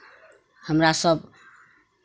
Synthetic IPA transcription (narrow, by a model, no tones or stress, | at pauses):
həmɾasəb